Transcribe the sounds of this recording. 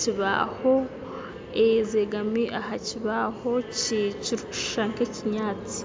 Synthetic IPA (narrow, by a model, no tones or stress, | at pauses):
ciβa̰ho | ezeɡamiʔahaciβahociciɾu̥ʃaŋkeciɲaːt͡si̥